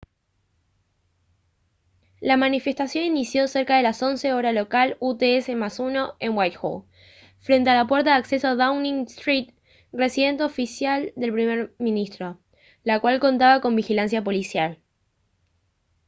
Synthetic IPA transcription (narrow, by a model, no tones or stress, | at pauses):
lamanife̞st̪asjo̞ninisjo̞se̞ɾkaðe̞laso̞nse̞o̞ɾalo̞kalut̪eese̞masuno̞e̞nwajt̪xṵ | fɾent̪ealap̬we̞ɾt̪aðakse̞soaðawnĩŋst̪ɾit̪̚ | re̞siðe̞nt̪eofisjald̪e̞lpɾimeɾmĩnist̪ɾo̞ | lakwalko̞nt̪aβako̞mbixilans̬japo̞lisjal